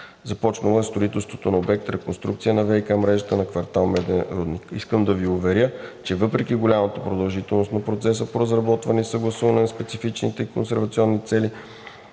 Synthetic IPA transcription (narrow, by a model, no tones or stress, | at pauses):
zɐpɔt͡ʃnəlˠəst̪ɾoit̪ɛlˠst̪vot̪onɐobɛk̚t̪ɾɛkonst̪ɾukt̪sijənɐvɛjkamɾɛʒət̪ənɐkvɐɾt̪alˠmɛd̪ɛɾɔd̪nikiskəmd̪ɐviʊvɛɾʲjət͡ʃɛvɤpɾɛkiɡolʲamɐt̪əpɾod̪ɐlˠʒit̪ɛlˠnost̪nɐpɾot̪sɛsəpoɾəzɾɐbɔt̪vɐnisəɡlˠɐsuvɐnɛnɐspɛt̪sifit͡ʃnit̪ɛiko̰nsɛɾvɐt̪siɔnːit̪sɛli